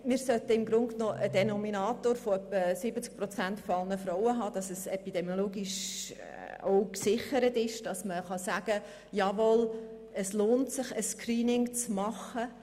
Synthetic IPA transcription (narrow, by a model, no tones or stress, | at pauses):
mɪːɾsœt̪əɪmɡɾʊnknoːʔədɛnɔminɑːtoːɾfoœpːəsɪbət͡sk̚pɾɔt͡sæntfoɑlˠnəfɾowəɦɑːd̥ɑsəsɛpid̥ɛmjoloːɡiʃ | o̰ʊksɪχəɾətɪʃd̥ɑsməχɑsæːɡ̥ə | jɑʋɔl | əsloːntsɪχəskɾiːnɪŋt͡smɑχə